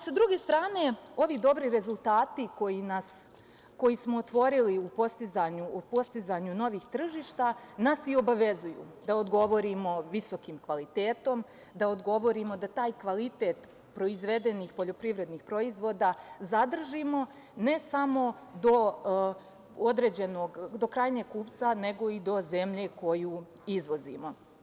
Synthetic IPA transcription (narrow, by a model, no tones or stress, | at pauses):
sad̪ɾuɡe̞st̪ɾaːne̞o̞ʋid̪o̞bɾiɾe̞zulˠt̪aːt̪iko̞jinas | ko̞jismo̞ːt̪ʋo̞ɾiliupo̞st̪izaɲupo̞st̪izaɲuno̞ʋixt̪r̩ʒiːʃt̪anasio̞baʋe̞zujṵd̪ao̞d̪ɡo̞ʋo̞ɾimo̞ʋiso̞kimkʋalit̪e̞ːt̪o̞m | d̪aod̪ɡo̞ʋo̞ɾimo̞d̪at̪aːjkʋalit̪e̞ːt̪ | pɾo̞izʋe̞d̪e̞nixpo̞ʎo̞pɾiʋɾe̞d̪nixpɾo̞izʋo̞ːd̪azad̪r̩ʒimo̞ | ne̞samo̞ | d̪o̞ | o̞d̪ɾe̞d͡ʑe̞noɡd̪o̞kɾaːjɲeɡ̚kuːpt̪sane̞ɡo̞id̪o̞ze̞mʎe̞ko̞juː | izʋo̞zḭmo̞